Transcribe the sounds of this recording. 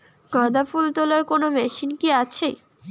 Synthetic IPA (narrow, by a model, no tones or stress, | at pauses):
ɡɔd̪afult̪olaɾkonomɛʃinkiat͡ɕʰḛ